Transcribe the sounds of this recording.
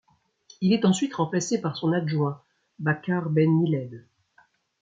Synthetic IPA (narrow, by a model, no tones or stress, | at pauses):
ilɛt̪ɑ̃sɥit̪ʁɑ̃plasepaʁsɔ̃naʒwɛ̃ | bakaʁbɛnːilɛd̪